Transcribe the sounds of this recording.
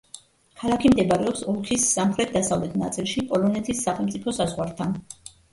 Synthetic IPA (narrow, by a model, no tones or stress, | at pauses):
kʰalˠakʰimd̪ɛbaɾɛɔpsɔlˠkʰisːamχɾɛt̪̚ʰd̪asavlɛt̪ʰnat̪sʼilˠʃipʼɔlɔnɛt̪ʰisːaχɛlˠmt̪sʼipʰɔsazʁwaɾt̪ʰan